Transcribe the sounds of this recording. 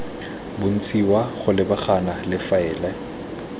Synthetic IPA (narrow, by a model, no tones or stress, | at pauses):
bʊn̩t͡sʰʼiwaχʊlɪbaχanalɪfaɛːlɛ